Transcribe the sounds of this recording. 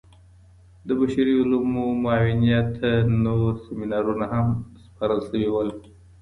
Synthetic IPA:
d̪əbaʃaɾiulumomʊɑwinijat̪anoɾseminaɾunaɦamspaɾəlsəwiwəl

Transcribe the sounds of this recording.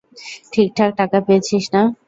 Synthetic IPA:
ʈʰik̚ʈʰak̚ʈakapejet͡ɕʰiʃna

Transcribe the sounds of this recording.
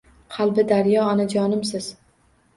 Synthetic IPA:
qʰɑlˠbɪd̪aɾjɒɒnad͡ʒɒnɪmsɪz̥

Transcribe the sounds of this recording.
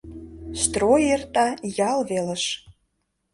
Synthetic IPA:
st̪rojert̪ɑjɑlvelə̆ʃ

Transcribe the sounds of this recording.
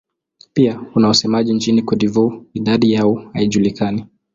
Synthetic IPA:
piakunawasɛmaʄint͡ʃinikɔɗivuiɗaɗijaɔhaiʄulikani

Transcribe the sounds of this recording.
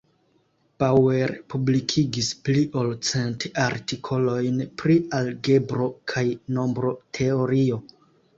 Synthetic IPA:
pawe̞ɾpublikʰiɡispliʔo̞lt͡se̞ntaɾtikʰo̞lo̞jnpɾialɡe̞bɾo̞kʰajno̞mbɾo̞tʰe̞o̞ɾio

